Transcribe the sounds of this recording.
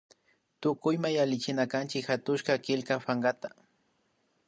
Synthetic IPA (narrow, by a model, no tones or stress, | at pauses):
t̪ʊkʊjmajalɪt͡ʃɪnakant͡ʃɪkxat̪ʊʃkakɪlkafaŋɡat̪ḁ